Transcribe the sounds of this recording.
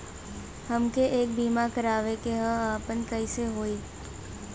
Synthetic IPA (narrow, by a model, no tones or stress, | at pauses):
hɐmkeʔeːk̚biːmakəɾaːʋekeɦəaːpənkəiseɦoːiː